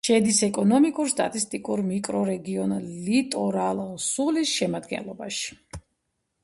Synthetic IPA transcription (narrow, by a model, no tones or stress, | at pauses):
ʃɛd̪isɛkʼɔnɔmikʼuɾst̪ʼa̰t̪ʼist̪ʼikʼuɾmikʼɾɔɾɛɡiɔnlit̪ʼɔɾalˠsulisʃɛmad̪ɡɛ̰nlˠɔbaʃi̥